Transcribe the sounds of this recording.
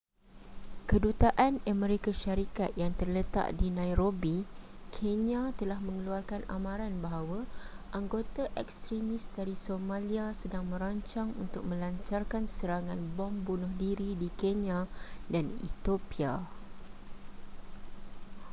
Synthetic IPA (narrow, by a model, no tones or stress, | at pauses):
kədut̪aʔanəmɛ̃ɾikaʃaɾikat̪̚jaŋt̪ərlət̪a̰ʔdinãjɾobi | kʰenjat̪əlahmə̃ŋəluarkana̰mãɾanbaɦawa | ʔaŋɡot̪aʔɛkst̪ɾimĩsdaɾisomãliasədaŋmə̃ɾaɲt͡ʃaŋunt̪ʊk̚mə̃laɲt͡ʃarkansəɾaŋãnbɔmbunʊhdiɾidikenãdanḭt̪opia̰